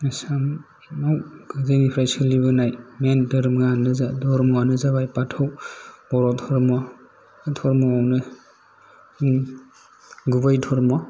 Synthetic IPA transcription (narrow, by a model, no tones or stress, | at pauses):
nasam | awɡazinipʰɾajsɯlibɯnajmentɯɾmɡanɯzadɔɾmɡanɯzabajpatʰawb̥ɔɾɔtʰɔɾmɔ | tʰɔɾmɔawnɯ | ɡubajtʰɔɾmɔ